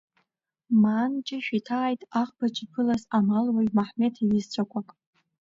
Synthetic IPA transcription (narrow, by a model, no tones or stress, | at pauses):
maːnd͡ʒʼɪʃᶣitʰaːjtʼaχbat͡ʃʼipʰɨlazamalwajmaħme̞tʰilɨzt͡ɕʷʰakʷʰakʼ